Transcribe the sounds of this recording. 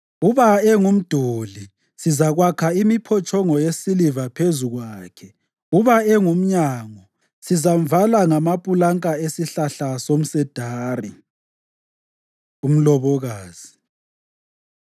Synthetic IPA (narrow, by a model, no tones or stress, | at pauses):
uβaɛŋum̩d̥ʱoli | sizaɣwakʰaimipʰɔt͡ʃʼɔŋɔjesilivapʰezuɣwaːkʰɛ | uβaɛŋum̩ɲaːŋɔ | sizam̩valaŋamapʼulaŋkʼaesiɬaɬasom̩sɛd̥ʱaːri | um̩lɔβɔɣaːz̥i